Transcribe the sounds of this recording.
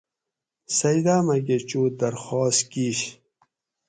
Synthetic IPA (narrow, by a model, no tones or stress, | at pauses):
sɐjd̪aːmɐɡet͡ɕuːd̪ɐɾxɔːskiɕ